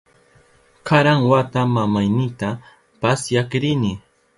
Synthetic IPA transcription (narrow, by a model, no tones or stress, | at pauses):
kaɾaŋwat̪amamajnɪt̪a | pasjakɾɪnɪ